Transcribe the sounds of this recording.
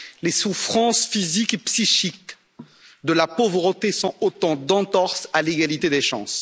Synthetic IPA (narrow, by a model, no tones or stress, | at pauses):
lesufχɑ̃sfizikepsiʃik | d̪əlapovʁət̪esɔ̃ot̪ɑ̃d̪ɑ̃t̪ɔʁsaleɡalit̪ed̪eʃɑ̰̃s